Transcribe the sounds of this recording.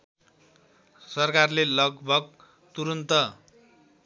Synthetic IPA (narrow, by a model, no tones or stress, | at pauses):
sʌrkarlelʌɡbʱʌɡ̚ | t̪uɾʌnt̪ʌ